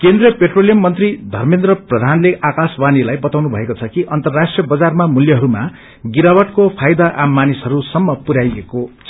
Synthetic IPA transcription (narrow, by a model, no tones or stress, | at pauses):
kend̪rijʌpeʈrolijʌmːʌnt̪rid̪ʱʌrmend̪ɾʌprʌd̪ʱanleakaswanilajbʌt̪awnubʱʌekot͡sʰʌkiʔʌnt̪ʌrːasʈrijʌbʌd͡zarmamuljʌɦʌɾuma | ɡiɾabʌʈkopʰajd̪aʔamːanisʌɾusʌmːʌpuɾajekot͡sʰ